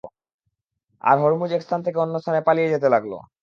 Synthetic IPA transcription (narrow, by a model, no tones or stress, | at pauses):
a̰ɾɦoɾmud͡ʑekst̪ʰant̪ʰekeonːost̪ʰanepalijed͡ʑet̪̬elaɡlo̰